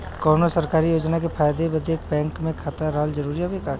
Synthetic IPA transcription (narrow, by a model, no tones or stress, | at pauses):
kɔːnosɐɾkaːɾijoːd͡ʒnakepʰaːjd̪ebɐd̪eːk̚bɛ̃ːŋkmẽkʰaːt̪aɾaɦəld͡ʒɐɾuːɾiɦabekaːɾ